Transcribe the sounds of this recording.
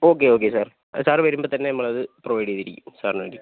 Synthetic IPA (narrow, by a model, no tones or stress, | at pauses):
o̞ːkːeoːk̬ːesaːr | saːrʋɐɾumbot̪ɐnːenɐmːɐɭɐðɨproʋɐjɽiɐðiɾikʲːumsaːrna̰ːɖi